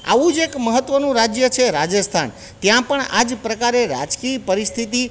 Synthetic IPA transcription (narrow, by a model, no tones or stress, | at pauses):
a̰ʋũd͡ʒekməɦət̪ʋənũɾad͡ʒjət͡ʃʰeɾad͡ʒəst̪ʰa̰n | t̪jãpəɳa̰d͡ʒpɾəkaɾeɾa̰d͡ʒkipəɾist̪ʰit̪i